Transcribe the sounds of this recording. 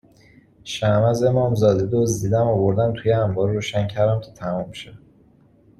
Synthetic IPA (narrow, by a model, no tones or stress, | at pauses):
ʃæmæze̞mɒːmzɒːd̪ed̪ozd̪iːd̪æmovoɾd̪ænt̪ʰujeæmbɒːɾːoːʃæncʰæɾd̪æmcʰe̥t̪ʰæmɔːmʃæ